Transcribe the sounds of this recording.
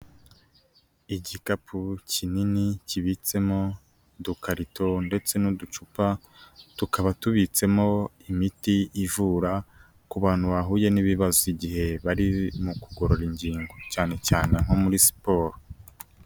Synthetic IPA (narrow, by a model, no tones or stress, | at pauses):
iɟikapʰucininiciβit͡se̞mo̞ | dukaɾitʰo̞nde̞t͡se̞nudut͡ʃupa | tukaβatuβit͡se̞mo̞imitiːvuːɾa | kuβaːn̥huβaɦuːje̞niβiβazoiɟihe̞βaɾimukuɡo̞ɾo̞ɾiɲɟiːŋɡo̞caːne̞caːne̞ŋ̥ho̞muɾisi̥po̞ːɾo